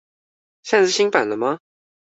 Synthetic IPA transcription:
ɕja˥˧ʂ̩˥˩ɕĩ˥ŋpa̰˨˩nlə˦mɐ˧

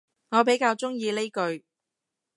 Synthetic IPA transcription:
ŋɔː˨˧p̬e˨˥jkaː˧wt͡sʊ˥ŋjiː˧le˥jkɵ˧ɥ

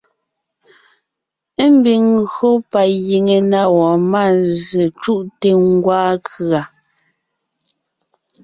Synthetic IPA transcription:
m̩˦bi˨ŋɣɰo˦pa˨ji˨ŋe˨na˦wɔ˨ma˦˨ze˨t͡ʃu˦˨ʔte˦ŋ̩˦ɡwaː˦kɰa˨

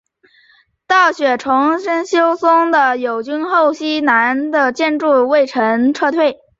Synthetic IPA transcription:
t̪ɑ˥˩ʊɕɥɛ˨˩ʈ͡ʂʰʊ˧˥ŋʂə˥nɕjo˥ʊsʊ˥ŋd̪ə˨jo˨˩ʊt͡ɕy˥nxo˥˩ʊɕi˥na˧˥nd̪ə˧t͡ɕjɛ˥˧nʈ͡ʂu˥˧we˥˩ɪʈ͡ʂʰə˧˥nʈ͡ʂʰɤ˥˧t̪ʰwe˥˩ɪ

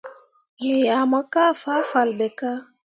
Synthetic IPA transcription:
le˨a˨ma˦ka˦˨fa˦fa˨lbɛ˨ka˦

